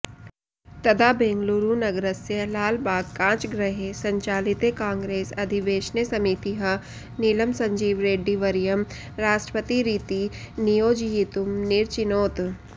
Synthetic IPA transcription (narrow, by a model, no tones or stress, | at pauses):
t̪ɐd̪abẽːŋɡluɾunɐɡɾəsjelaːlbaːɡkãːt͡ʃɡɾəɦesɐ̃ɲt͡ʃaːlɪt̪ekãːŋɡɾeːsɐd̪ʱiʋeːʃnesɐmit̪iɦɐ | niːləmsɐ̃ɲd͡ʒiːʋɾeːɖːiʋɐɾijəm | ɾaːʃʈɾəpət̪iɾiːt̪i | nijoːd͡ʒjit̪ʊmnɪɾt͡ʃɪnoːt̪